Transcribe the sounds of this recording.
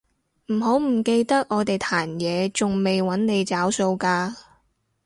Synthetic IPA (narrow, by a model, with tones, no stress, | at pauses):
m̩˨˩ɦo˨˥wm̩˨˩ke˧jt̪ɐ˥k̚ʔɔː˨˧t̪e˨jt̪ʰaː˨˩njɛː˨˧t͡sʊ˨ŋme˨jwɐ˨˥nne˨˧jt͡saː˨˥wso˧wkaː˧